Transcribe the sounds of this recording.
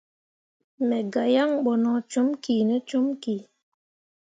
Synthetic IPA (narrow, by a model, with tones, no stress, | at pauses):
mɛ˨ɡa˨ja˦ŋɓɔ˨nɔ˨t͡ʃo˦mki˨nɛ˦t͡ʃo˦mki˨